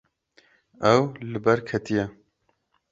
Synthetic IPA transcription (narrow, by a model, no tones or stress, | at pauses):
ɛwlɨbɛɾkʰɛt̪ijɛ